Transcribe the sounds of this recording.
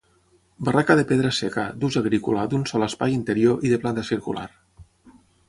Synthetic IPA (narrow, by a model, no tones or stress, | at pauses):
barakaðepeðɾasekad̪uzaɣɾikulad̪unsɔləspajint̪eɾjoʔiðeplant̪asiɾkṵla̰ɾ